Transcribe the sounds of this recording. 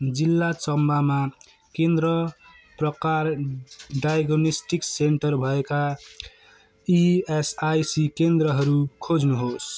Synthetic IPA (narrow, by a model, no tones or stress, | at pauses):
d͡zilːat͡ʃʌmbʱama | kẽnd̪ɾʌ | pɾʌkaɾɖajɡonisʈikseɳʈʌɾbʱʌeka | iesajsikend̪ɾʌɦʌɾukʰod͡znuɦos